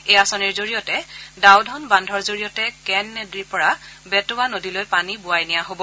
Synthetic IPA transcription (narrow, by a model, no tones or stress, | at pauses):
ejasɔniɹzoɹijɔtɛdawdʱɔnbandʱɔɹzoɹijɔtɛkɛnːɛdiɹpɔɹabɛtʊwanodilojpanibʊajnijaɦobɔ